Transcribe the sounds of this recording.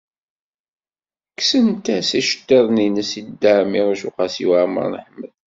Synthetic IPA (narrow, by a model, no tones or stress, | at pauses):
ksənt̪æsiʃə̥t̪ːəðˤninəsid̪ːaʕmiʁæʃuqɑsḭwaʕmə̰ɾˤnəħməð